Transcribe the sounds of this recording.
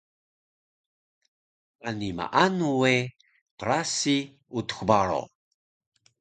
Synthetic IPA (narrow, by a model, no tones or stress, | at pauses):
anima̰ʔanuwe | pəɾasi | ut̪ə̥xbaɾo̰